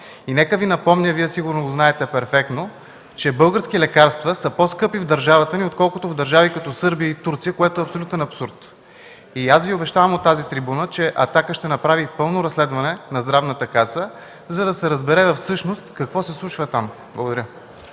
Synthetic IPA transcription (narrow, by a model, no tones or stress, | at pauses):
inɛkəvinɐpɔmnʲəviɛsiɡʊɾnoɡʊznaɛt̪ɛpɛɾfɛk̚t̪no | t͡ʃɛbɤlˠɡəɾsk̟ilɛkaɾst̪vəsəposkɤpivd̪ɐɾʒavət̪əniot̪kɔlˠkʊt̪ovd̪ɐɾʒavikɐt̪ɔsɤɾbijəit̪uɾt̪sijəkoɛt̪oɛɐpsolʲut̪ɛnɐpsuɾt̪ | iasviobɛʃt̪avɐmot̪ːazit̪ɾibunət͡ʃɛʔɐt̪akəʃt̪ɛnɐpɾavipɤlˠnoɾɐslɛd̪vɐnɛnɐzd̪ɾavnət̪əkasə | zɐd̪ɐsɛɾəzbɛɾɛvɐfsɤʃnost̪kɐkvɔsɛslˠut͡ʃvət̪am | blˠɐɡod̪ɐɾʲə